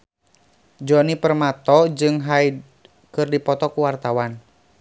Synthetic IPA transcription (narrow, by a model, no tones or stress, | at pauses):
d͡ʒɔnipərmat̪ɔd͡ʒɨŋɦai | kɨrdipɔt̪ɔkuwart̪awan